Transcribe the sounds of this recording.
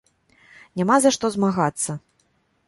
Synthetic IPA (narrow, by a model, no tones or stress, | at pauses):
nʲamazaʂt̪ɔzmaɣat̪sːɐ